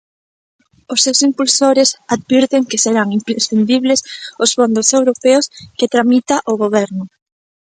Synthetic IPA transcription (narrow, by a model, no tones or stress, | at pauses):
ʊsːewsimpulsoɾesaðβiɾt̪eŋkeseɾaŋimpɾesfind̪iβlesʊsfond̪osewɾopeosket̪ɾamit̪aʔoɣoβ̞ɛɾnʊ